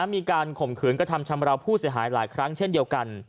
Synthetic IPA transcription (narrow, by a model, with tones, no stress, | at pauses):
miː˧kaː˧nkʰo˨˩mkʰɯː˩˦nkɾa˧˩t̪ʰa˧mt͡ɕʰa˧mɾa˧wpʰuː˥˩si˩˦ɦa̰ː˩˦jla̰ː˩˦jkʰɾa˦˥ŋt͡ɕʰe˥˩ndi˧əwka˧n